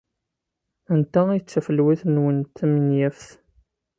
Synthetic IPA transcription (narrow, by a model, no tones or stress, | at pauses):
ənt̪æit͡sːəfəlːwiθnwənt̪ːmənjæfθ